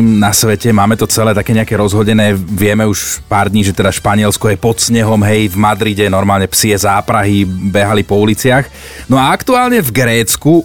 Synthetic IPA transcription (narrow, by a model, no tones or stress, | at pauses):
mnasʋɛcɛmaːmɛt̪ɔt͡sɛlɛːt̪akɛːɲɛakɛːɾɔzɦɔɟɛnɛːʋɪɛmɛuʃpaːɾd̪ɲiːʒɛt̪ɛd̪aʃpaɲɪɛlskɔjɛpɔt̪sɲɛɦɔmɦɛjvmad̪ɾiɟɛnɔɾmaːlɲɛpsiɛzaːpɾaɦibɛɦalipɔulit͡sɪax | nɔaakt̪uaːlɲɛvɡɾɛːt͡sku